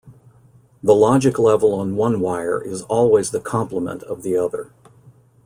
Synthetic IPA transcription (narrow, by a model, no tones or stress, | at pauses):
ðəlɑd͡ʒɨklɛvl̩ˠə̃nwʌ̃nwaɪə̰˞ʔɪzɔlˠwizðɨkʰɑ̃mpləmə̰̃ntʰʌvðiʌðə̰˞